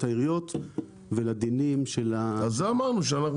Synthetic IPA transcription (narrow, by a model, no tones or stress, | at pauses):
t̪aiʁijot̪ | velad̪inimʃelaazzeamaʁnuʃ̬eanaχ